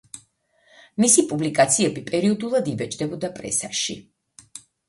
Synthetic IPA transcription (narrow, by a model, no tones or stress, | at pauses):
misipʼublikʼat̪sʰiɛbipʼɛɾiɔd̪ulˠad̪ivɛt͡ʃʰd̪ɛbɔd̪apʼɾɛ̰saʃḭ